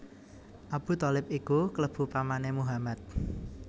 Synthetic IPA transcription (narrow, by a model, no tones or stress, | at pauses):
ʔab̥ṳt̪ɔlɪpikukələb̥ṳpamanemuɦamat̪̚